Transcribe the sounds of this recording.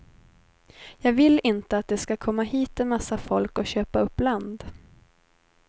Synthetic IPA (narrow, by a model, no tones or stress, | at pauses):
jɑːɡvɪlːɪnt̪əat̪̚d̪ɛskakʰɔmːaɦiːt̪ɪmasːafɔlkɔɕøːpaɵpːland̪